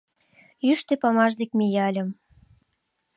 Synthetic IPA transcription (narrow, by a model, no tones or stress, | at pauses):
jyʃt̪ĕpɑmɑʒd̪ekmejɑlʲə̆m